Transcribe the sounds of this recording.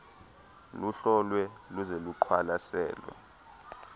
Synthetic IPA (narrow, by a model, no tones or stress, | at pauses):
luɬɔlwɛluzeluǃʰwalasɛ̰ːlwɛ̰